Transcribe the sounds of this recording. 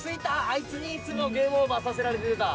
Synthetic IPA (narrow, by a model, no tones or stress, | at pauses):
sɨit̪aːit͡sɨɲ̟it͡sɨmoɡẽːɰomasase̞ɾaɾe̞t̪eɯt̪a